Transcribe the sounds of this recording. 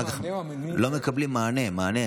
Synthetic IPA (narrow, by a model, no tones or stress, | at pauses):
k | lɔmekɐblimaːnemaːne